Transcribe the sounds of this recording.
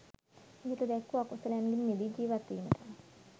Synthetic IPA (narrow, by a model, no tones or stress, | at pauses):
iɦet̪əd̪ɛkːuakusəlanɡinːid̪id͡ʒiːʋat̪ːiːməʈəm